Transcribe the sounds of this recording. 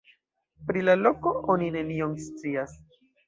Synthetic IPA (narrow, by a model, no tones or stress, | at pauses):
pɾilalo̞ko̞ʔo̞nine̞nio̞mst͡sias